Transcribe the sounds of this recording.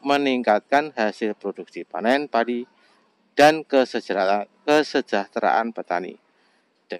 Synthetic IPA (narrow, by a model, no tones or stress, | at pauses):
məniŋkat̪̚kanɦasɪlpɾoduk̚sipananpadi | d̥ankəsəkəsəd͡ʒaht̪ɾa̰ʔanpət̪anḭ | d̥